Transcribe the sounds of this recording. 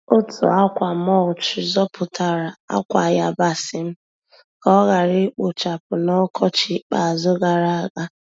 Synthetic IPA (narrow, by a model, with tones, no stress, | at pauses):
o˦tʊ̰˨a˦kʷa˨m˦ɔ˦˨ʊ˨t͡ʃɪ˨zɔ˦pʰʊ˨tʰa˦ɾa˨a̰˦kʷa˨ja̰˨ba˦sɪ˨m̩˦ | kɔ˦ɣa˨ɾɪ˦k͡po˨t͡ʃa˨pʊ˨nɔ˦kʰɔ˦t͡ʃɪ˦k͡pa˨a˨zʊ˦ɡa˨ɾa˦a˦ɡa˦